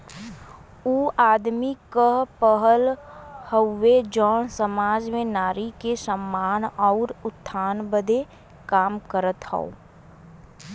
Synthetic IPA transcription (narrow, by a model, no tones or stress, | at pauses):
uːaːd̪mikəpəɦəlhəwːed͡ʒɔːnsəmaːd͡ʒmẽnaːɾikesəmːaːnɔʊɾʊt̪ʰːaːnbəd̪ʱe | kaːmkəɾət̪hɛ̰o̰ː